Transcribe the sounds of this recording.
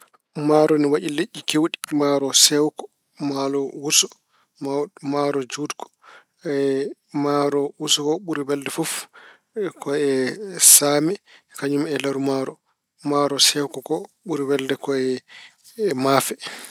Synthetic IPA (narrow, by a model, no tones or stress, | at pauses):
maɾɔniwaʔileʔːikewɗimaɾɔsɛwkɔ̥ | malɔwusɔ̥ | mamaɾɔd͡ʒudkɔ̥ | maɾɔwusɔkɔɓuɾiwɛldɛfuf | kɔɛsamɛkaɲumɛlaɾumaɾɔ | maɾɔsɛwkɔkɔɓuɾiwɛldɛkɔɛ | mafɛ